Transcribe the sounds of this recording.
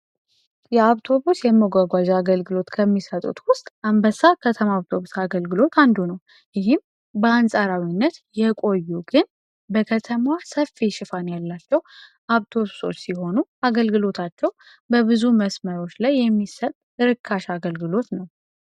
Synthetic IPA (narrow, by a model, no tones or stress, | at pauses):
jɛaβt̪ʰo̞βusjɛməɡʷaɡʷaʒaɡəlɡɨlo̞t̪kʰəmːisət̪ʼṵt̪wʊst̪ʼambəsakʰət̪ʰəmaaβt̪ʰo̞βusaɡəlɡɨlo̞t̪ʰand̪unəw | jɪɦɪm | bəansʼaɾawinːət̪jɛkʼo̞jːuɡɨn | bəkʰət̪ʰəmwasəfːiʃɪfanjalːat͡ʃːɛw | ʔaβt̪ʰo̞βuso̞̰t͡ʃːsiho̞nuaɡəlɡɨlo̞t̪ʰat͡ʃːɛw | bəβɨzuməsməɾo̞t͡ʃːlajːɛmːisət̪ʼɨɾɨkʰːaʃaɡəlɡɨlo̞t̪nəw